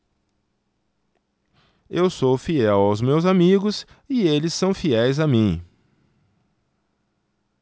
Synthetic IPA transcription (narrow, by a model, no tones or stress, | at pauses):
ewsowfiɛwawzmewzamiɡʊs | ɪelɪsːɐ̃w̃fiɛjzamĩ